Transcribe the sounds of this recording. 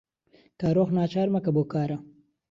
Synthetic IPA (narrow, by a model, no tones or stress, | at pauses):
kaɾoxnaːt͡ʃaːɾmakabokaːɾa